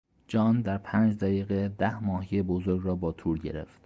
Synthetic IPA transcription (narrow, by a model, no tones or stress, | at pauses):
d͡ʒɒːnd̪æɾpʰæːnd͡ʒd̪æjiːɣed̪æhmɒːɦijebozoɾɡɾɒːbɒːt̪ʰuːɾɟeɾḛft̪